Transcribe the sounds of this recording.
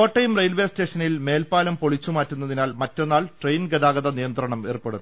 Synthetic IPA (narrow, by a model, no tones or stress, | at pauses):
oːʈːɐjumrejlʋe̞ːste̞ːʂɐnilme̞ːlpaːlɐmpo̞ɭit͡ɕːumaːtːunːɐðinaːlmɐtːo̞nːaːlʈrejnɡɐðaːɡɐðɐnijɐnt̪rɐɳɐme̞̰ːrupːe̞ɽu